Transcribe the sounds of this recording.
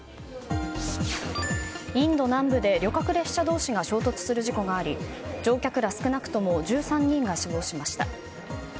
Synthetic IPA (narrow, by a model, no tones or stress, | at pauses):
ĩnd̪o̞nãmbɯ̟d̪e̞ɾʲo̞kakɯ̟ɾe̞ɕɕad̪o̞ːɕiɡaɕo̞ːt̪o̞t͡sɨ̥sɨɾɯ̟ʑiko̞ɡaːɾʲid͡ʑo̞ːkʲakɯ̟ɾasɨ̥kɯ̟nakɯ̟̥t̪o̞mo̞d͡ʑɨːsãɲ̟ːĩŋɡaɕibo̞ːɕimaɕi̥t̪a